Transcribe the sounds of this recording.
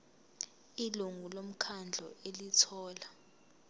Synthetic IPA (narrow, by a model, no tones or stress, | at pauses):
iluŋulom̩kʰand͡ɮʱɔelitʰɔːla